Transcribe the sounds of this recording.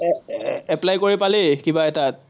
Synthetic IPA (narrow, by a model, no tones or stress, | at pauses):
ɛplajkoɹipalɛkibaɛta